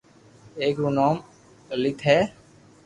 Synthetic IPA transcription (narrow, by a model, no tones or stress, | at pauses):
eːkɾunaːm | lɪt̪ʰɦɛː